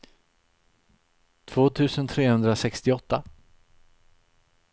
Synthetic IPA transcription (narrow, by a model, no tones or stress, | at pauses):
t̪ʰv̥oːt̪ʰʉ̟ːsənt̪ʰɾeːhɵnd̪ɾasɛkst̪ɪɔt̪ːa